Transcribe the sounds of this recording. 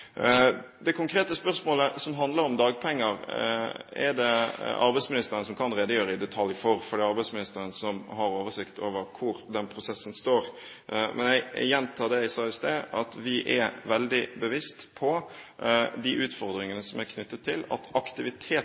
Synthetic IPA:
d̪ɛkʰʊŋkʰɾeːt̪əspœʁsmoːləsɔmɦɑnd̪ləɾɔmd̪ɑːɡpʰɛŋːəɾ | ɛ̰d̪ɛɑ̰ɾbæɪsmɪnɪst̪əɾənəsɔmkʰɑnɾeːd̪əjøːɾəɪd̪ɛt̪ʰɑljfɔɾfɔɖiːɑɾbæɪsmɪnɪst̪əɾənsɔmɦɑɾoːʋəʂɪkt̪ʰo̰ːʋəɾkʰʊɾd̪ɛnpʰɾʊsɛsːənst̪oːɾ | mʔɛ̰njæɪjɛnt̪ʰɑːd̪ɛɪsɑəst̪eːʔɑt̪ʋɪʔɛʋɛld̪ɪbəʋɪst̪pʰɔ | d̪ɪʔʉːt̪fɔɾd̪ɾɪŋənəsɔmæɾkʰnʉt̪ːət̪ʰːɪlɑ̰t̪ɑkt̪ɪʋɪt̪ʰeː

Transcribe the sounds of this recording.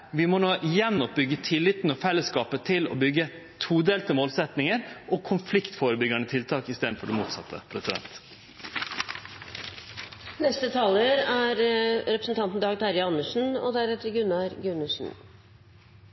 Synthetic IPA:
ʋɪmɔnoːʔjɛnːɔp̚bʏɡət̪ʰɪlːɪt̪nɔfɛlːəskɑːpət̪ʰɪlɔ̰bʏɡːə | t̪ʰuːd̪eːlt̪əmoːlsɛt̪nɪŋəɾʔɔkʰʊnflɪkt̪foːɾəbʏɡɑnət̪ʰɪlt̪ʰɑːkɪst̪eːd̪n̩fɔɖɛmṵːt̪sɑt̪ʰːə̰pʰɾɛsɪd̪ɛ̰nt̪ | nɛst̪ət̪ʰɑːləɾæːɾɾɛpɾəsn̩t̪ʰɑnt̪n̩d̪ɑːɡt̪ʰɑɾjɑnːəʂn̩ɔ̰d̪æɾɛt̪əɾɡʉnːɑɾɡʉnʉsn̩

